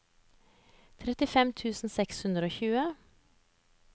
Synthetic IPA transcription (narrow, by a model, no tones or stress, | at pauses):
t̪ʰɾɛt̪ɪfɛmt̪ʰʉːsn̩sɛkshʉnd̪ɾəoːçʉːə